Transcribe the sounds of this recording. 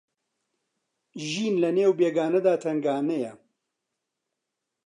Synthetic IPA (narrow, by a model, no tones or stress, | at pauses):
ʒiːnlɐneːwbeːɡaːnɐd̪aːt̪ʰɐŋɡaːnɐjɐ